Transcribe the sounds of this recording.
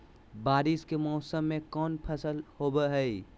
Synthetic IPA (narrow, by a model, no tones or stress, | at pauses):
baːɾɪskemɔːsəmːẽkɔːnpʰəsəlhoːbəɦɛi